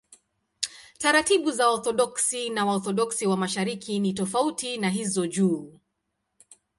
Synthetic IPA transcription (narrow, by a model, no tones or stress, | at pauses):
taɾatiɓuzaɔθɔɗɔksinawaɔθɔɗɔksiwamaʃaɾikinitɔfautinaɦizɔʄuː